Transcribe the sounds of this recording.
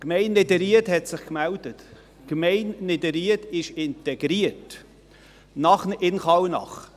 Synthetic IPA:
kmɛɪnledəɾiəthɛtsɪχkmældət | kmɛɪnlɪdəɾiətɪʃɪntɛɡɾiət | nɑχnɪnχɑwnɑ̰χ

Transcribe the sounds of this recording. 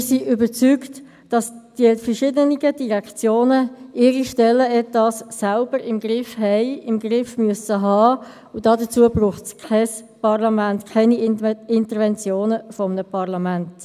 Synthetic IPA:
ɪsiʔybəɾt͡sykt | d̥ɑsd̥iəfəɹʃɪːdəniɡəd̥iʁɛkt͡sjoːnəʔɪːɾiʃtɛlːəɛtɑsːalb̥əɾɪmɡɾɪfɦɛɪɪmɡrɪfmyəsəɦɑː | ʊd̥ɑːdət͡suəbruːχtskʰɛspɑʁlɑmæntkʰɛniɪntəɾvɛnt͡sjoːnəfɔmənəpʰɑʁlɑmænt

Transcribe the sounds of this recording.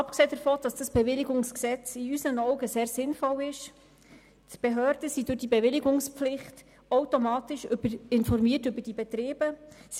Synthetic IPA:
ɑpkseːdəɾfoːd̥ɑsd̥ɑsb̥ɛvɪlɪɡʊŋsksɛt͡siysənɔʊɡəseːɾsɪnfɔlɪʃ | tb̥eɦøːɾd̥əsidʊɾd̥ibɛvɪlɪɡʊŋspflɪχt | oʊtomɑːtɪʃʏb̥əɪnfɔrmiːətʏbəɾd̥ibɛtɾɪːb̥əs

